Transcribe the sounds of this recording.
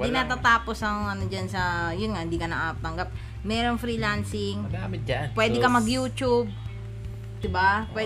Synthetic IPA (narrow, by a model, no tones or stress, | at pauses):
ɪnat̪at̪aːposɐŋɐnod͡ʒɐnsɐjʊnŋɐhɪnd̪iːkɐnɐʔap̚t̪ɐŋɡap̚ | mɛːɾoŋfɾiːlansɪŋɡamɪt̪̚apwɛːd̪ɛkɐmɐɡjuːt͡ʃʊb̚ | d̪ɪbapwɛ